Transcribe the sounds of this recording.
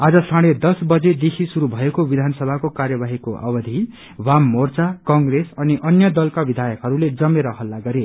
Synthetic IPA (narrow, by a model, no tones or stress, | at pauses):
ad͡zʌsaɽ̃ed̪ʌsbʌd͡zed̪ekʰisuɾubʱʌekobid̪ʱanʌsʌbʱakokarjʌbaɦikoʔʌ̰bʌd̪ʱi | wamːort͡sakʌŋɡresʌniʔʌnjʌd̪ʌlkabid̪ʱajʌkɦʌɾuled͡zʌmeɾʌɦʌlːaɡʌɾe